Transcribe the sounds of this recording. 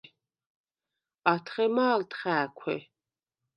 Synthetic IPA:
at̪ʰχɛmaːlt̪ʰχæːkʷʰɛ̰

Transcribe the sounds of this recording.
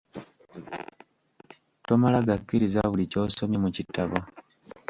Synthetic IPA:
tomalaɡakːiɾizaβulicoːsomjimucitʰːaβo

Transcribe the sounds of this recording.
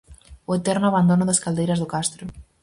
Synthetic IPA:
oet̪eɾnʊaβand̪onoðaskald̪ejɾazðʊkast̪ɾʊ

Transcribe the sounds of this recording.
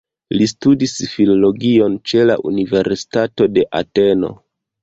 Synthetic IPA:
listudisfilo̞lo̞ɡio̞nt͡ʃe̞la̰ʔṵnive̞ɾsi̥tato̞de̞ʔa̰te̞no̞̰

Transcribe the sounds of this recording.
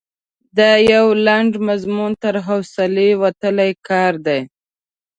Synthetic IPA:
d̪ajawlaɳɖmazmunt̪əɾɦawsalewat̪əlajkɑɾd̪aj

